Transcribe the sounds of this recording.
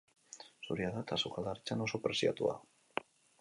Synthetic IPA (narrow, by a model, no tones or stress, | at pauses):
suɾjaðat̪asukaðaɾt͡ʃanosopɾesia̰t̪ṵa̰